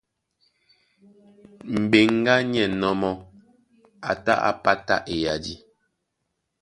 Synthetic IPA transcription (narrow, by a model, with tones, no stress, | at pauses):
m̩˨be˨ŋ˦ɡa˦ɲɛ˨nɔ˦mɔ˦ | a˨ta̰˦ʔa̰˨pa˦ta̰˦ʔe˨ja˨di˦